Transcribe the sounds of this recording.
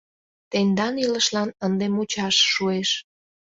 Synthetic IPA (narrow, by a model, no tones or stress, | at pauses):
t̪end̪ɑniləʃlɑnənd̪emut͡ɕɑʃːueʃ